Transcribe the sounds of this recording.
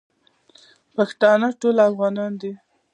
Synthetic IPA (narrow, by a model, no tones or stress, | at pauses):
paxt̪ɑnəʈolafɣɑnɑnd̪i